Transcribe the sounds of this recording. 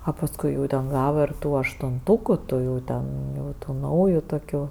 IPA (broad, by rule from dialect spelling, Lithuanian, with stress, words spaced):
ɐ pɐsˈkʊɪ jɛʊ tʲɛn ˈɡɑːʋɐ ɪr ˈtuː ɐʃtʊnˈtʊkʊ ˈtuː jɛʊ ˈtʲɛn ˈjɛʊ ˈtuː ˈnɐʊjʊ toːˈkʲuː